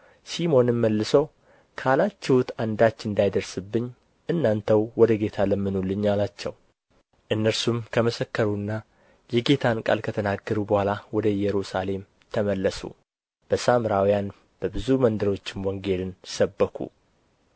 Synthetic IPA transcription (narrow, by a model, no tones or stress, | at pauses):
simo̞nɨmːəlːɨsəw | kʰalat͡ʃːɛwut̪and̪at͡ʃːɨnd̪ajd̪əɾsɨbːɨɲː | ʔɨnːant̪ʰəwwɔd̪əɡe̞t̪ʰaləmːɨnolːɨɲːalat͡ʃːɛw | ʔɨnːəɾsumkʰəməsəkːəɾunːa | jɛɡe̞t̪ʰankʼa̰lkʰət̪ʰənaɡːəɾubəhʷalawɔd̪əjɛɾusale̞m | t̪ʰəməlːəsṵ | b̥əsamɾawjan | b̥əbɨzumənd̪əɾo̞t͡ʃːɪnwɔŋɡe̞lɨnsəbːəkʰṵ